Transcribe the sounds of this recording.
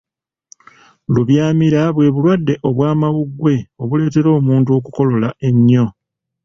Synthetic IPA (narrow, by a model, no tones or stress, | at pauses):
luβjaːmiɾaβwe̞ːβulwadːe̞ʔo̞βwaːmawuɡwe̞o̞βule̞ːte̞ɾo̞ːmuːnt̬uo̞kuko̞lo̞lae̞ɲːo̞